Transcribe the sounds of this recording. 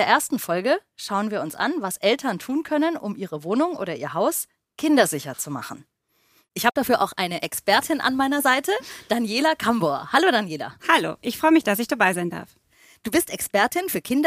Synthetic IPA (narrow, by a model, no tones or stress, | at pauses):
eːɐʔeːɐstn̩fɔlɡə | ʃaʊənviːɐʊnsʔa̰nvasʔɛltʰɐntʰuːnkʰœnənʔʊ̰mʔiːʁəvoːnʊŋʔo̰ːɾɐʔiːɐɦaʊs | kʰɪndɐzɪçɐt͡suma̰χn̩ | ʔɪçhaːbədafyːɐʔa̰ʊxʔaɪnəʔɛkspɛɐtʰɪnʔa̰nmaɪnɐzaɪtʰəd̥anjeːlakʰamboɐ̰haloːdanjeːla̰halo̰ːʔɪçfʁ̥ɔʏəmɪçd̥asɪçd̥abaɪzaɪnda̰ɐf | d̥uːbɪstɛkspɛɐtɪnfyːɐkʰɪndɐ